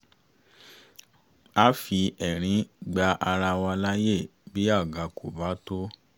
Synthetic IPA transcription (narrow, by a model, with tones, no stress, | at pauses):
a˦fi˧ɛ˨ɾ̃ĩ˨˦ɡ͡ba˧ʔa˧ɾa˧wa˧la˦je˦˨bi˨˦a˦˨ɡa˨ko˨ba˨˦to˦